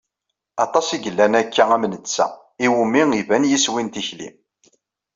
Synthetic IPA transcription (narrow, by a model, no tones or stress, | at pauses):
ɑt̪ˤɑsiʝəlːænækːææmnət͡sːæ̰ | iwumːiŋivænjiswint̪içlḭm